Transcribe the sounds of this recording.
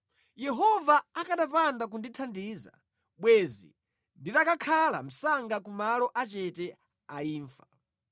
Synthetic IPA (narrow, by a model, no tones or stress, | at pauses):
jɛɦɔvaːkaɗapandak̬unditʰandiːza̰ | ɓwɛzḭ | ndiɾakakʰala̰m̩saŋɡakumalɔʔat͡ʃɛtɛ | aiːɱfḁ